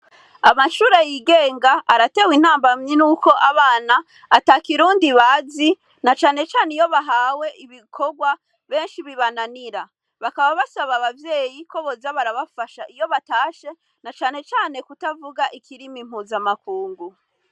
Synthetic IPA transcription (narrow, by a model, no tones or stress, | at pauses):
amaʃuːɾajiɡe̞ːŋɡaʔaɾate̞win̥aːmbamɲenuko̞ʔaβaːnaː | taːkiɾuːndiβazi | nat͡ʃaːne̞t͡ʃaːneijo̞βaɦaːwe̞ʔiβikʰo̞ɡwa | βe̞ːnʃiβiβananiɾa | βakaβaβasaβaβavje̞ːjiko̞βozaβaɾaβafaʃaijo̞βataːʃe̞ | nat͡ʃaːne̞t͡ʃaːne̞kutavuɡaʔikʰiɾimim̥huːzamakuːŋɡu